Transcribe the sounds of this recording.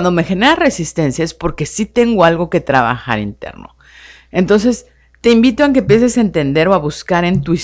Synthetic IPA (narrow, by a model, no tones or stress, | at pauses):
nd̪o̞me̞xe̞ne̞ɾare̞sist̪e̞nsjaespo̞ɾke̞sit̪e̞ŋɡo̞alɣo̞ke̞t̪ɾaβa̰xa̰ɾḭnt̪e̞̰ɾno̞̰ | e̞nt̪o̞ns̬e̞s | t̪e̞imbit̪o̞eŋk̬epje̞s̬e̞saent̪e̞nd̪e̞ɾo̞aβuskaɾe̞nt̪ui